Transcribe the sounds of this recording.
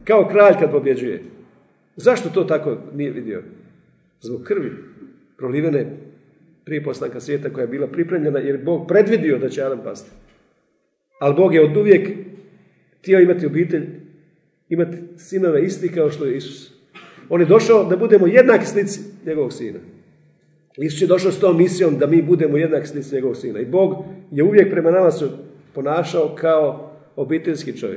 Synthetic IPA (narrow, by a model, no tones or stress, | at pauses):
kao̞kɾaːʎkad̪̚po̞bje̞d͡ʑujḛ | zaʃt̪o̞t̪o̞ːt̪ako̞nije̞ʋid̪ḭo̰ | zboɡkːr̩ʋi | pɾoliːʋene | pɾijepo̞st̪aːŋkasʋjeːt̪ako̞jajbiːlˠapɾipɾe̞ːmʎe̞najeɾjebo̞ːɡ̚pɾe̞d̪ʋid̪iod̪at͡ɕeaːd̪ampa̰st̪i̥ | alibo̞ːɡjeod̪uʋje̞k | xt̪jeo̞imat̪iobiːt̪e̞ʎ | imat̪i̥sino̞ʋe̞ist̪ikao̞ʃt̪o̞jeisu̥s | o̞ːnjed̪o̞ʃaod̪abud̪e̞ːmo̞je̞d̪naːki̥slit̪si̥ɲe̞ɡo̞ʋo̞ɡsḭːna̰ | isu̥sje̞d̪o̞ʃaost̪o̞ːmːisijo̞md̪amiːbud̪e̞moje̞d̪naːki̥slit̪siɲe̞ɡo̞ʋo̞ɡsiːna̰ibo̞ːɡjeuʋje̞k̚pɾe̞manamase | po̞naːʃaokʰao | obiːt̪e̞ʎʲskit͡ʃo̞̰ʋjḛk